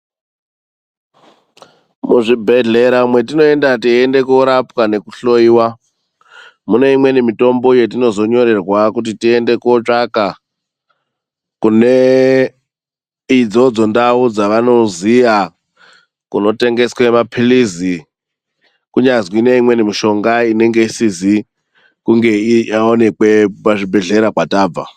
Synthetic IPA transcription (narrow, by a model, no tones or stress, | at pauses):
muʐibʱe̞ɮe̞ɾaumwe̞tino̞e̞ndatiende̞kuoɾapkane̞kuɬo̞iːwa | mune̞imwe̞nimito̞mbo̞je̞t̬ino̞zo̞ɲo̞ɾe̞rwakut̬itiende̞kuot͡ʂaka | kune | id͡zo̞d͡zo̞ndaud͡zaʋano̞zija | kuno̞te̞ŋɡe̞swemapʰilizi | kuɲazwine̞imwe̞nimiʃo̞ŋɡaine̞ŋɡe̞isizi | kuŋɡe̞ijaone̞kwe̞paʐibʱe̞ɮe̞ɾakwataːb͡va̰